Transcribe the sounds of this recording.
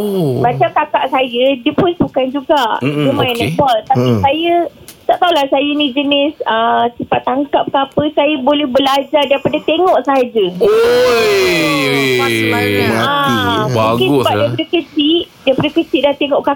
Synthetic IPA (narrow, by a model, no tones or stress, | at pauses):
bat͡ʃamkakaʔsajədiəpʊnsukand͡ʒuɡaʔzəmãjanakualt̪apisajə | t̪aʔt̪aulahsajənĩd͡ʒənɪsəsəpat̪aŋkaʔp̚kapəsajəbolɛhbəlad͡ʒardaipadat̪eŋɔʔsaɦad͡ʒə | mamanaũɡkɪnssəbadajipadakət͡ʃiʔdaipadakət͡ʃiʔdat̪eŋɔʔka